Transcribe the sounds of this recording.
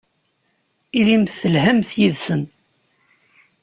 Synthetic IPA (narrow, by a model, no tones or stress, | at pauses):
ilimθəlhæmθjiðsən